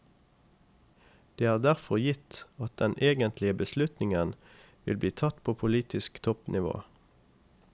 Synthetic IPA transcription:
d̪̥eːæːʁd̪æʁfɔʁjɪt̪ɑt̪̚d̪ɛneːɡənt̪lɪəbəslʉt̪nɪŋən | ʋɪ̰lbliːt̪ʰɑt̪pʰoːpʰʊliːt̪ɪskt̪ʰɔpnɪʋo̰ː

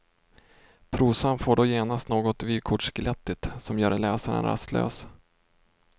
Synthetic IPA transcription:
pʰɾuːsanfoːɖɔːjeːnast̪noːɡɔt̪vyːkʰʊʈʂkɪlɛt̪ːɪt̪sɔmjœːɾlɛːsaɾə̰nɾa̰st̪ʰlø̰ːs

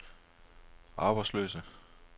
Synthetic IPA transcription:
ʔɑ̈ːb̥ɑ̈ɪslø̰ːsə

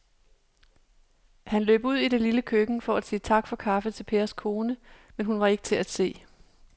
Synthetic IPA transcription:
hænlø̰ːb̥uð̰ˠiɾ̥eliləkʰøɡ̥n̩fɒ̽æ̥siːt͡sʰɑ̈ɡ̥fɒ̽kʰɑ̈fət͡sʰe̝lpʰe̝ːɐskʰo̝ːnəmenɦunʋɑ̈e̝ɡ̥ət͡sʰe̝læd̥se̝̰ː

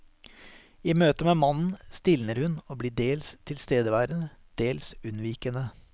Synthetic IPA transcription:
iːmøːt̪əmeːmɑnn̩st̪ɪlnəɾhʉnoːbliːɖeːlst̪ʰɪlst̪eːd̪əʋæːɾənəd̪̥eːlsʉnʋiːkənə

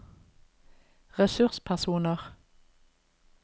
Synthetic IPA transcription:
ʁɛsʉʁspʰæʁsuːnəʁ

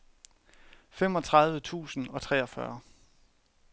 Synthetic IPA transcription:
femɒ̽t͡sʰʁɑ̈ð̞ˠʋət͡sʰṵːsn̩ɒ̽t͡sʰʁɛ̰ːɒ̽fɶɐ

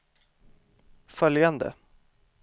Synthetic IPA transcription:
fœljand̪ə̰

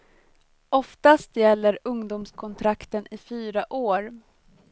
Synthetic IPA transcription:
ʔɔft̪ast̪jɛlːəɾɵŋd̪uːmskʰɔnt̪ʰɾakt̪ənɪfyːɾaʔoːɾ

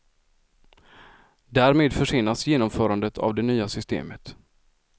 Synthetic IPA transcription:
d̪æːɾmeːd̪fœʂɪːnːasjeːnɔmfœːɾand̪ət̪ʰa̰vd̪ɛnyːasʏst̪ḛːmət̪

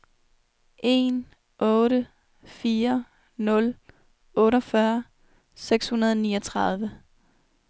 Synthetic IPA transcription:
ʔe̝n | ʔɔ̽ːɾə | fiːɐ | nɔ̽l | ʔɔ̽ːɾɒfɶɐ | seɡ̥shunɐð̞ˠɒniːɒt͡sʰʁɑð̞ˠʋə

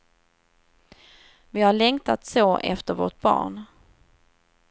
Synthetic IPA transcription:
vɪhaɭɛŋt̪at̪soːʔɛ̰ft̪əɾvo̰ːʈ̚bɑ̰ːɳ

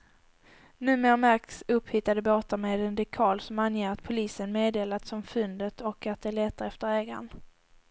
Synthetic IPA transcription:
nʉ̟ːmeːɾmæɾk̪sɵpːhʏt̪ːad̪əboːt̪aɾmed̪ɛnd̪ɪkʰɑːlsɔmanjeːɾat̪̚pʰʊliːsənmeːd̪eːlat̪sɔmfɵnd̪ət̪ʰɔkat̪̚d̪ɛæɭɛt̪ːəɾɛft̪əɾɛːɡa̰n

